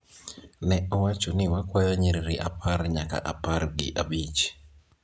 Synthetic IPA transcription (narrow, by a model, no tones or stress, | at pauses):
nɛɔwat͡ʃonɪwakwajaɲeɾiɾiʔapʰarɲaka̰ʔaparɡɪ̰ʔabit͡ʃ